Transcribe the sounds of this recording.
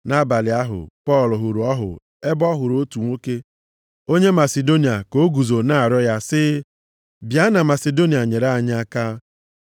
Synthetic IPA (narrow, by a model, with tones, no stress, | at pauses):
na˦ba˨lɪ˨a˦ɦʊ̰˨pɔ˦˨lʊ˨ɦʊ˨ɾu˨ɔ˦ɦʊ̰˨ | e˦bɔ˦ɦʊ˨ɾo˦tu˨ŋʷo˦ke˦ | o˦ɲe˦ma˨se˨do˦ni˨a˨ko˦ɡu˨zo˨na˦a˨ɾɔ˦ja˦sɪ˦ | bja˦na˨ma˨se˨do˦ni˨a˨ɲe˨ɾa˦a˦˨ɲ˦a˦ka˦